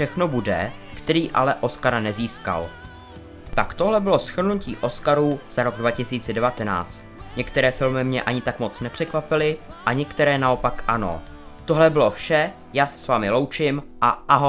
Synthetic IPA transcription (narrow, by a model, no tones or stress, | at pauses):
fʃɛxno̞budɛkt̪ɛɾiːʔa̰lɛʔo̞skaɾanɛziːska̰l | t̪akt̪o̞ɦlɛbɪlo̞sxr̩nucḭːʔo̞skaɾuːz̥aɾo̞ɡ̚dvacɪsiːt͡sɛdɛvat̪ɛna̰ːt͡st̪ɲɛkt̪ɛɾɛːfɪlmɪmɲɛʔaɲɪt̪akmo̞t͡snɛpr̝̥ɛkvapɪlɪʔaɲɛkt̪ɛɾɛːnao̞pakʔano̞̰ | t̪o̞ɦlɛbɪlo̞fʃɛ | jaːsɛ̥svaːmɪlo̞wt͡ʃɪmʔaʔaɦo